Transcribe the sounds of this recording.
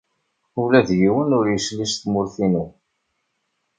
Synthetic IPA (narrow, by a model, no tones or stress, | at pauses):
ulæðjiwənʊɾjəsliʃθmʊɾθinu